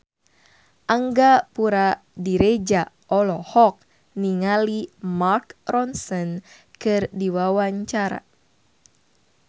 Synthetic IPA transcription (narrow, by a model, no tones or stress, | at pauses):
ʔaŋɡapuɾa | diɾed͡ʒa | ʔɔlɔhɔk̚ | niŋalimarkrɔnsɔn | kɨrdiwawaɲt͡ʃaɾa̰